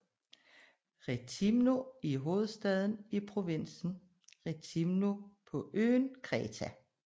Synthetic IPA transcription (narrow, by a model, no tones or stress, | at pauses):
ʁet͡sʰimnoiɦo̝ːð̞̩ˠsd̥ɛð̞ˠn̩ipʰʁo̝ʋen̰sn̩ | ʁet͡sʰimnopʰɒ̽ʔø̰ːnkʰʁɛːt͡sʰæ